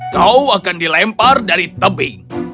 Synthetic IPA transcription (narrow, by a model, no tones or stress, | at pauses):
kauakandilɛmpardaɾit̪əbɪŋ